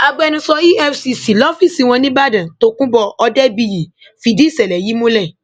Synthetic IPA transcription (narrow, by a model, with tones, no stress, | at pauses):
a˧ɡ͡bɛ˧nũ˧sɔ˧i˦ɛ˦fsi˧si˨lɔ˦fi˦˨si˨˧˦w̃ɔ̃˧nĩ˦ba˦dã˨to˦kũ˦bɔ˦˧ɔ˧dɛ˦bi˧ji˨ | fi˧di˦i˦˨sɛ˨lɛ˨ji˨˦mũ˦lɛ˦˨